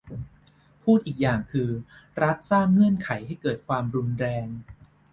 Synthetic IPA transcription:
pʰuː˥˩t̪̚ʔiː˨˩k̚jaː˨˩ŋkʰɯː˧ɾa˦˥t̪̚saː˥˩ŋːɯ˥˩ənkʰa˩˦jɦa˥˩jkɤː˨˩t̪̚kʰwaː˧mɾu˧nɾɛː˧ŋ

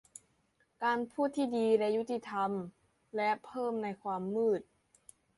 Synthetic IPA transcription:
kaː˧npʰuː˥˩t̪ʰːiː˥˩diː˧lɛ˦˥ju˦˥t̪i˧t̪ʰa˧m | lɛ˦˥pʰɤː˥˩mna˧jkʰwaː˧mːɯː˥˩t̪̚

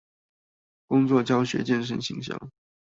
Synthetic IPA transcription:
kʊ˥ŋt͡swɔ˥˩t͡ɕjɑ˥ʊɕɥɛ̰˧˥t͡ɕjɛ˥˧nʂ̬ə˥˩nɕi˧˥ŋɕjɑ̰˥˩ŋ

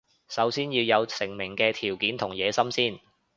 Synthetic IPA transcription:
sɐ˨˥wsiː˥njiː˧wjɐ˨˧wsɪ˨˩ŋmɪ˨˩ŋkɛː˧t̪ʰiː˨˩wkiː˨˥nt̪ʰʊ˨˩ŋjɛː˨˧sɐ˥msiː˥˩n

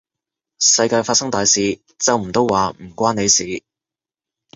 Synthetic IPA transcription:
sɐ˧jkaː˧jfaː˧t̚sɐ˥ŋt̪aː˨jsiː˨˧ | t͡sɐ˨˧wm̩˨˩t̪o˥wwaː˨m̩˨˩kʷaː˥ne˨˧jsiː˨˥

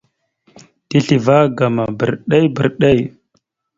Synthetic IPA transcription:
ti˦ɬi˨va˦ɡa˨ma˨bə˨ɾɗa˦jbə˨ɾɗa˦˨j

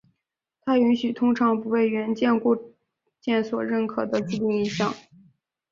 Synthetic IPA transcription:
t̪ʰa˥y˧˥nɕy˨˩t̪ʰʊ˥ŋʈ͡ʂʰɑ˧˥ŋpu˧˥we˥˩ɪɥɛ˧˥nt͡ɕjɛ˥˧nku˥˧ | t͡ɕjɛ˥˩nswɔ˨˩ɻə˥˩nkʰɤ˨˩d̪ə˦t͡s̩˥˧t̪i˥˩ŋi˧˥nɕjɑ˨˩˦ŋ

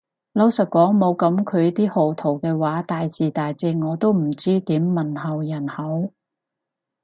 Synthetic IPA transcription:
lɐ˥wsɐ˨t̚kʷɔː˨˥ŋmo˨˧wkɐ˨˥mkʰɵ˨˧ɥt̪iː˥ho˨˩wt̪ʰo˨˩wkɛː˧waː˨˥t̪aː˨jsiː˨˩t̪aː˨jt͡siː˧ŋŋɔː˨˧t̪o˥wm̩˨˩t͡siː˥t̪iː˨˥mːɐ˨nɦɐ˨˩wjɐ˨˩nhɐ˨˥w

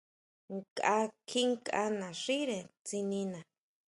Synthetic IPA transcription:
ŋkʼa˧˦kʰi˦ŋkʼa̰˧nã˨ʂi˦ɾe˨t͡si˧nĩ˧nã˨

